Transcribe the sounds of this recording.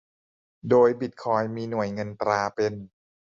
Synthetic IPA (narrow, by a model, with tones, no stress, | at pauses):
doː˧jbi˨˩t̪̚kʰɔː˧jmiː˧nu˨˩˦əjŋɤ˧nt̪ɾaː˧pe˧n